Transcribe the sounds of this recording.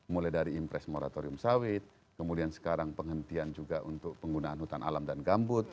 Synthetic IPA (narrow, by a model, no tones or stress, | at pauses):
mulajdaɾiːmpɾɛsmoɾa̰t̪oɾiʊmsawɪt̪̚ | kəmudiansə̥kaɾaŋpəŋɦənt̪iand͡ʒuɡaʔunt̪ʊk̚pəŋɡunaːnhut̪anʔa̰lamdanɡambʊt̪̚